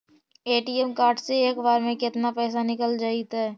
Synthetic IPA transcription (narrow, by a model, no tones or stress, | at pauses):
eːʈiːɛmkaːɾɖseeːkbaːɾmẽkɪt̪napɛːsanɪkəld͡ʒaːit̪aɛ